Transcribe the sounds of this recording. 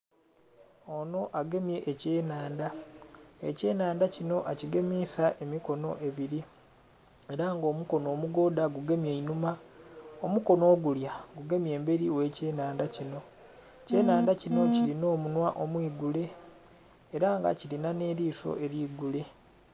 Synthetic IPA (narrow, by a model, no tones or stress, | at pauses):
ono̞ʔaɡe̞mje̞ʔːce̞ːnaːnda | ḛce̞ːnaːndacino̞ʔaciɡe̞miːsaʔemiko̞no̞̰ʔe̞βiɾi | e̞ɾaŋɡo̞ːmuko̞no̞ːmuɡo̞ːdaɡuɡe̞mje̞inumaomuko̞no̞ːɡuljaɡuɡe̞mje̞ːmbe̞ɾiwe̞ːce̞ːnaːndacino̞ | ce̞ːnaːndacino̞cilino̞ːmunwaʔomwiːɡule̞ː | ɾaŋɡa̰cilinane̞ːɾiːso̞̰ʔe̞ɾiːɡule̞